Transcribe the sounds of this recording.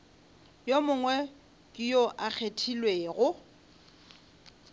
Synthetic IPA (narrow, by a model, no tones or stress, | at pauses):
jomʊŋwɛ | kʼɪjoʔak͡xʰetʰilweːɣʊ